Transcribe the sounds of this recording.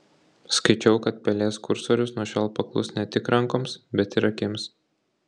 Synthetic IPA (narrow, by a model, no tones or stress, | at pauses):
skɐɪt͡ʃʲɛʊkɐt̪̚pʲɛlʲeːskʊɾsoːɾʲʊsnuɔʃʲɛlˠpɐklˠʊ̰snʲɛt̪ʲɪkɾɐŋkoːmsbʲɛt̪ɪɾɐkʲems